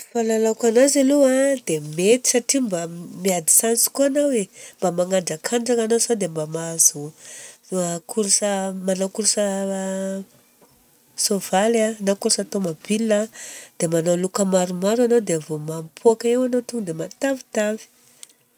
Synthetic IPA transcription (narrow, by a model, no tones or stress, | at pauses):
falalakanazaluad̪emet̪i̥saʈ͡ʂimbamiad̪i̥sant͡su̥kuanawembamaŋaɳɖ͡ʐakʰaɳɖ͡ʐaŋanasad̪embamaz̥u | akʰuɾsamanawkuɾsa | sovalanakuɾsat̪omabilːad̪̥emanalukəmaɾumaɾanawd̪eavomampʰuakaewanawt̪uŋd̪emat̪avit̪avi̥